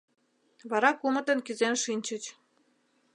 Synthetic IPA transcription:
βɑɾɑkumə̆t̪ə̆nkyzenʃinʲt͡ɕə̆t͡ɕ

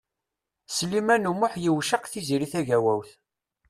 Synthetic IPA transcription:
slimænumʊħjiwʃəqθiziɾiθæʝæwæwθ

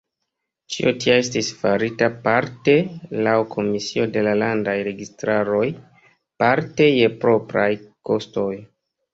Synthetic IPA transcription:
t͡ʃḭotiae̞stisfaɾitapaɾte̞lawkʰo̞misio̞de̞lalandajɾe̞ɡistɾaɾo̞j | paɾte̞je̞pɾo̞pɾajko̞sto̞j

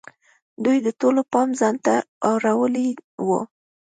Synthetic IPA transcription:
d̪ujd̪ətolopɑmzant̪aɑwɾawəliwə̰

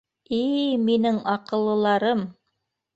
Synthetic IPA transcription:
iminɘŋɑqɤ̆lˠːɤ̆lˠɑɾɤm

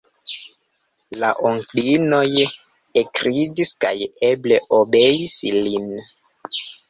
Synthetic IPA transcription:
laʔoŋklino̞j | ekɾid͡ʒiska̰jebleʔobejislin

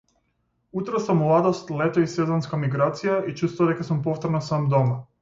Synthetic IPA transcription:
ut̪ɾasamlˠad̪ɔst̪lɛt̪ɔisɛzɔnskamiɡɾat̪sijait͡ʃust̪vad̪ɛkasumpɔft̪ɔɾnasamd̪ɔma

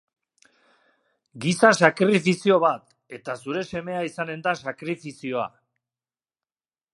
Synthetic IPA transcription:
ɡisasakɾifisio̞βat̪ | e̞t̪asuɾe̞se̞me̞aisane̞nd̪asakɾifisio̞a̰

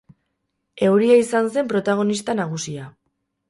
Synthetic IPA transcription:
e̞wɾiaisans̬e̞mpɾo̞t̪aɣ̞o̞nist̪anaɣ̞usia

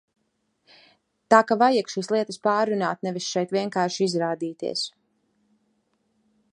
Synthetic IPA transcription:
t̪aːkavajakʃiːslˠiɛt̪əspaːɾːuna̰ːt̪̚nɛvisʃɛjt̪vʲiɛŋkaːɾʃiizɾaːd̪iːt̪ḭɛs

